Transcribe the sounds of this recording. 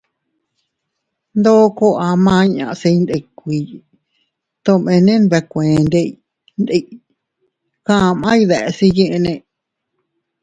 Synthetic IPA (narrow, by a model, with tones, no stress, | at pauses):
nd̪o˦ko˦ʔa˧mã˧˦ɲã̰˨˧ʔse˧i˧nd̪e˧˨kʷi˨˧ | t̪õ˧mẽ˧nẽ˦n˧βe˧kʷẽ˨˧nd̪e˧i˧ | nd̪e˧ | kã˦˧mã˦i˧ðe˨˧si˧jĩ˦ʔnẽ˧